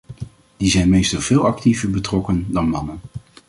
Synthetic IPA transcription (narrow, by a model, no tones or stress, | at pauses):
d̥izɛjnmejstɑlˠvɪːlˠɑktivəɹbətrɔkəndɑnmɑnən